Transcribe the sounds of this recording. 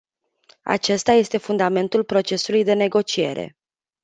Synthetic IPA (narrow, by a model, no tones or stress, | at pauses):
a̰t͡ʃe̞st̪aje̞st̪e̞fund̪ame̞nt̪ulpɾo̞t͡ʃe̞sulujd̪e̞ne̞ɡo̞t͡ʃie̞̰ɾe̞̰